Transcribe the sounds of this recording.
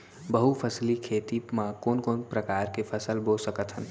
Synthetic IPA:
bəɦupʰəslikʰeːt̪imãkoːnkoːnpɾəkaːɾkepʰəsəlboːsəkət̪ɦən

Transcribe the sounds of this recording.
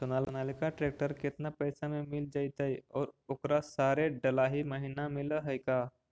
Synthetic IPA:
sʊnaːlənaːlɪkaʈɾeːk̚ʈəɾkɪt̪napɐɪsamẽmɪld͡ʒaːit̪aiɔːɾʊkɾasaːɾeɖɐlaɦiməɦiːnamɪləɦəjkaː

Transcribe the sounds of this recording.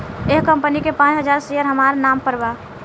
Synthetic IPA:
eɦkəmpənikepãt͡ʃɦəd͡ʒaɾsijəɾɦəmaɾnampəɾba

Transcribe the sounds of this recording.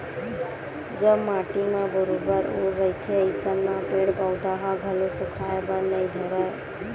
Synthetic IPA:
d͡ʒəbmaʈimebəɾobəɾoːəit̪ʰeəɪsənnapeɽkəʊd̪aɦaɡʱəlosukʰaebənəid̪ʱəɾə

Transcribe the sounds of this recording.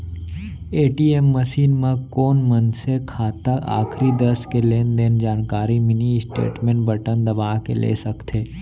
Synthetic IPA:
eːʈiːeːmːəsiːnmãkoːnmənsekʰaːt̪əa̰ːkʰɾid̪əskeleːnd̪eːnd͡ʒaːnkaːɾimɪnisʈḛːʈmẽːɳbəʈənd̪əʋaːɦkḛlḛːsəkt̪ʰeː

